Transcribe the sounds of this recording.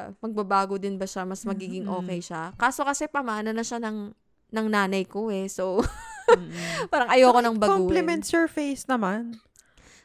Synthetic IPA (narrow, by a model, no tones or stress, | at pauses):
mɐɡ̚bɐbaːɡod̪ɪnbɐʃamɐsmɐɡiːɡɪŋʔo̞ːkɛjʃakaːso̞kɐsɛpɐmaʔɐnɐnɐʃanɐŋ | nɐŋnaːnɐjko̞ɛso | paːɾɐŋʔɐjoɐkonɐŋbɐɡkouːplɛmɛnt̪sɛɹfejsnɐman